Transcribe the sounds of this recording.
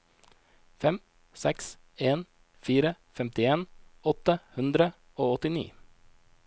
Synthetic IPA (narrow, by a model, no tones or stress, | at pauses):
fɛm | sɛks | eːn | fiːɾə | fɛmt̪ɪeːnɔt̪əhʉnd̪ɾə | oːɔt̪ɪnḭː